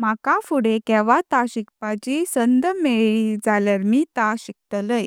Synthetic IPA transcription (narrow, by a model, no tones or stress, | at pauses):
m̤akafuɽekɛʋat̪aɕikpat͡ɕisənd̪meɭid͡zalaɾmiːt̪aɕik̚t̪ələj